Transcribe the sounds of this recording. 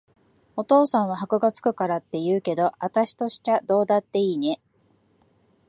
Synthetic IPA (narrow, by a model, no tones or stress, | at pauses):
o̞t̪o̞ːsãɰ̃β̞aɦakɯ̟ɡat͡sɨ̥kɯ̟kaɾat̪ːe̞jɯːke̞d̪o̞at̪aɕi̥t̪o̞ɕi̥t̪ad̪o̞ːd̪at̪ːe̞iːne̞